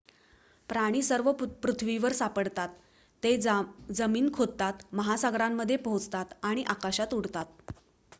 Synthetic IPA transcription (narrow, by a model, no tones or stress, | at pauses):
pɾaɽ̃iːsəɾʋəpɾut̪ʰʋiʋəɾsapəɽt̪at̪ː | ed͡zəmiːnkʰod̪̚t̪at̪məɦasaɡɾamːəd̪ʱːjepɦõt͡st̪at̪aɽ̃iʔakaɕat̪uɽ̤t̪at̪̚